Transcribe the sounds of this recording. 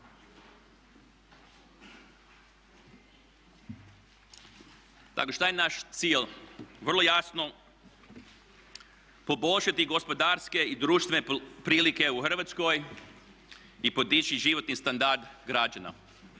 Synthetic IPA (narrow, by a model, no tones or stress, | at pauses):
t̪a̰koʃt̪ajenaʃt̪siːlʲʋr̩lˠojasno | po̞bo̞lʲʃat̪iɡospo̞d̪aɾske̞id̪ɾuːʃt̪ʋenepɾiːlike̞uxər̩ʋat̪sko̞j | ipo̞d̪it͡ʃiʒiʋo̞t̪nist̪and̪aɾd̪ɡɾad͡ʒana̰